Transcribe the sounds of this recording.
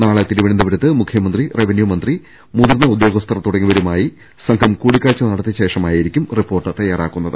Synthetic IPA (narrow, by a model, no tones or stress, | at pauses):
naːɭɐt̪iɾuʋɐɳɐnd̪ɐʋɐɾɐt̪ːɨmukʰjɐmɐnd̪rireʋenjumɐnd̪ri | muðɐɾnɐud̪jo̞ːɡɐst̪ʰɐrɐt̪uɽɐŋːiʋɐɾumaːji | sɐŋɡʰʱɐmkuːɽikʲːaːt͡ɕːɐnɐɽɐt̪ːeɕe̞ːʂɐmaːjiɾikʲːumripːo̞ːrʈːɨt̪ɐjːaːraːkːunːɐðɨ